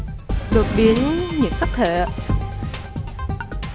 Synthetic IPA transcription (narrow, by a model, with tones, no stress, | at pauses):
ɗɨ˨˩k̚ɓi˨˦ənɲi˨˧˩əm̚sa˦˥k̚t̪ʰḛ˧˨